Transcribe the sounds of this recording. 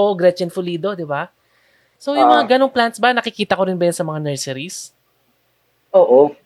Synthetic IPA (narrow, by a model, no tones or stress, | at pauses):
oʔoɡɾɛt͡ʃɛnfʊliːd̪o̞d̪ɪba | sowjʊŋmɐŋaɡɐnoŋplant̪sbɐnɐkɪkiːt̪ɐkoɾɪnbɐjʊnsɐmɐŋanɛɹsɛɾis | ʔoːʔo